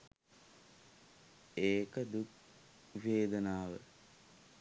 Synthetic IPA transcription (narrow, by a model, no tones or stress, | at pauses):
eːkəd̪uk | ʋeːd̪ənaːʋə